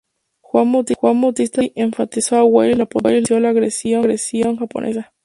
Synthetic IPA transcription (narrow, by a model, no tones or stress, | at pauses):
xwʷanmut̪ixwʷanmat̪ist̪aʔeɱfat̪isoawelilapolisjolaːɣɾesjoɾesjoŋxapo̰nʔḛsa